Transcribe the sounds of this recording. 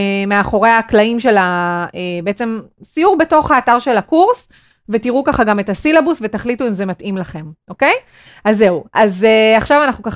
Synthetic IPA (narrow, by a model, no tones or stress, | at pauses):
meaχo̞ʁe̞aːklaimʃe̞laebeet͡se̞msijuʁbe̞to̞χaːtaʁʃe̞lakuʁs | ve̞tiʁukaχaɡame̞tasilabusve̞taχlituimze̞matʔimlaχe̞mʔo̞ke̞j | azːe̞uazeaχʃavanaχnukaχ